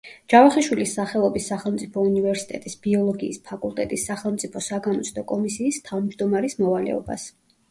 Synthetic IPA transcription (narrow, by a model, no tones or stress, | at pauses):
d͡ʒ̥avaχiʃwilisːaχɛlˠɔbisːaχɛlˠmt̪sʼipʰɔunivɛɾsi̥t̪ʼɛt̪ʼisb̥iɔlˠɔɡiːspʰakʼulˠt̪ʼɛt̪ʼisːaχɛlˠmt̪sʼipʰɔsaɡamɔt̪sʰʼd̪ɔkʼɔmisiːst̪ʰavd͡ʒd̪ɔmaɾismɔvalɛ̰ɔ̰ba̰s